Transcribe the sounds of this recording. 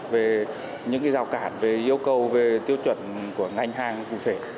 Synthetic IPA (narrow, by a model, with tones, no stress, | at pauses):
ve˨˩ | ɲɨ̰˧˥ŋka˨˦jzaː˨˩wkaː˧˩˨nve˨˩ʔi˧əwkə˨˩wve˨˩t̪i˧˦əw̚t͡ɕwə̰˧˨nku˧˩əŋa˧jŋ̟ɦaː˧ŋkṵ˧˨t̪ʰe˧˩